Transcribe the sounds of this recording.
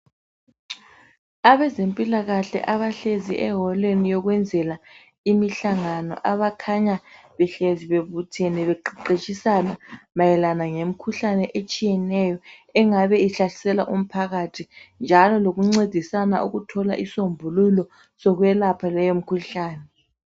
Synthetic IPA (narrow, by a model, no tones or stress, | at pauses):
aβɛzempʼilaɣaɬɛ̰ʔaβaɬeziʔɛɦɔlenijɔɣwɛnd͡zʱɛla | imiɬaŋanɔ̰ʔaβakʰaɲaβɛɬeziβeβutʰenɛβɛǃiǃet͡ʃʼisanamajɛlanaŋem̩kʰuɬanɛʔet͡ʃʼijɛnɛjɔɛŋaβɛiɬaɬi̥sɛlaʔum̩pʰaɣatʰind͡ʒʱalɔloɣuŋ͡ǀed̥ʱisana̰ʔuɣutʰɔlaʔisombʱululɔ | sɔɣwɛlapʰalɛjom̩kʰuɬaːnɛ